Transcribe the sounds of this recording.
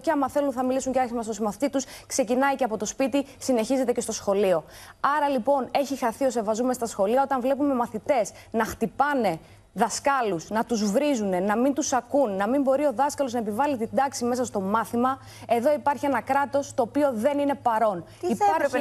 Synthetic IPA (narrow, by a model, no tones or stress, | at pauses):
ceɐmɐθe̞lunθɐmilisuɲceɐɾçimɐst̪osimɐθit̪it̪uskse̞cinɐjceɐpo̞t̪o̞spit̪isine̞çize̞t̪ece̞st̪o̞sxo̞lio̞ | ɐɾɐlipo̞ne̞çixɐθio̞se̞vɐzume̞st̪ɐsxo̞liɐo̞t̪ɐɱvle̞pume̞mɐθit̪e̞s | nɐxt̪ipɐne̞ | ðɐskɐlusnɐt̪uzvɾizune̞nɐmint̪usɐkunːɐmimbo̞ɾio̞ðɐskɐlonɐepivɐlit̪ind̪ɐksime̞sɐst̪o̞mɐθimɐ | e̞ðo̞ipɐɾçie̞nɐkɾɐt̪o̞st̪o̞ːpio̞ðe̞nine̞pɐɾo̞n | iɐɾ